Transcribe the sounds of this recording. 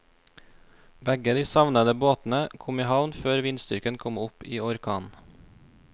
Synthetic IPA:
bɛɡəd̪iːsɑʋnəd̪əboːt̪n̩əkʰʊmiːhɑʋnføːɾʋɪnst̪ʏɾkənkʰɔmʊpiːɔɾkʰɑːn

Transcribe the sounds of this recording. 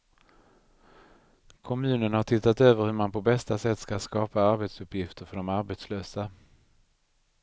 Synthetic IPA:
kʰɔmʉ̟ːnənhaʈʰɪt̪ːat̪øːvəɾhɵɾmanpʰɔbɛst̪asɛt̪ːskaskɑːpaaɾbet̪sɵpːjɪft̪əɾfœɖɔmaɾbet̪sløːsa

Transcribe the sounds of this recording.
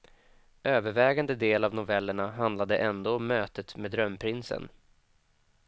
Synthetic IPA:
ʔøːvəɾvɛːɡand̪əd̪eːlavnʊvɛlːəɳaɦand̪lad̪əʔɛnd̪oːɔmːøːt̪ət̪meːd̪ɾœmːpʰɾɪnsə̰n

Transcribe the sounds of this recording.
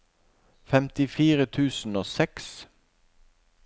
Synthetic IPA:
fɛmt̪ɪfiːʁət̪ʰʉːsn̩oːsɛks

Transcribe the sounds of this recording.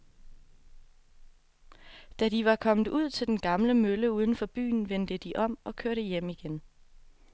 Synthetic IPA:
d̥æd̥iʋɑ̈kʰɒ̽məð̩ˠuð̞̰ˠt͡sʰe̝ld̥enɡ̥ɑ̈mləmøləuːð̞ˠn̩fɒ̽b̥y̰ːn̩ʋend̥əd̥iʔɒ̽m̰ɒ̽kʰøɐɾəjem̰iɡ̥en

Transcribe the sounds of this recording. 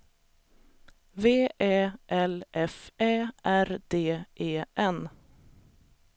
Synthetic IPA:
veːʔeːʔɛlʔɛfeːʔæɾd̪eːʔeːʔɛn

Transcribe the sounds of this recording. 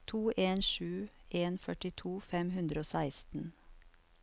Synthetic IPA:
t̪ʰuːʔeːnʃʉːʔeːnfœʈɪt̪ʰuːfɛmhʉnd̪ɾəoːsæɪst̪n̩

